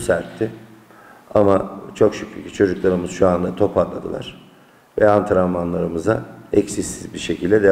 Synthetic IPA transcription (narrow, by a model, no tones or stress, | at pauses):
sæɾt̪ʰːɪ | amat͡ʃʰo̞kʃycʰlycʰit͡ʃʰo̞d͡ʒuklˠaɾɯmɯzʃuand̪at̪ʰo̞pʰaɾlˠa̰d̪ɯlˠa̰ɾ̥ | vɛant̪ʰaɾamanlˠaɾɯmɯzaɛcsisːizbiɾʃe̞cʰilʲd̪ɛd̪e